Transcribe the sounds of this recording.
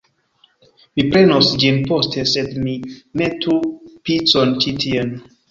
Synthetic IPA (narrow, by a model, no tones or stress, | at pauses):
mipɹenɔsd͡ʒĩnpɔstʰesɛdminetʰupisɔ̃ntʰitʰiən